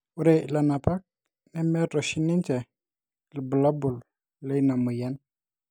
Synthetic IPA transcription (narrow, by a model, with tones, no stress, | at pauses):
u˦ɾe˨la˨na˨pa˦k̚ | nɛ˦mɛ˦tɔ˨ʃi˦ni˦nt͡ʃɛ˨ | li˨bə˨la˦bu˨l | le˦i˦na˨mu˨jɛ˦n